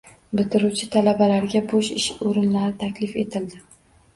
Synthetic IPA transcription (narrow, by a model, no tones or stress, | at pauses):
bɪt̪ɪɾut͡ʃʰɪt̪ʰalabalaɾɡʲaboʃɪʃoɾɪnlaɾɪt̪ʰakʲlɪfe̞t̪ʰɪld̪ɪ